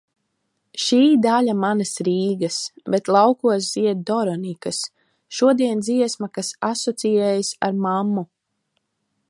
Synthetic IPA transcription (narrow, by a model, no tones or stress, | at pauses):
ʃiːd̪alʲamanɐsɾiːɡɐsbet̪lˠawkuɔs̬ziɛt̪̚d̪ɔɾɔnikas | ʃuɔd̪iɛnd̪ziɛsmakasasɔt̪sijɛːjasa̰ɾmamːu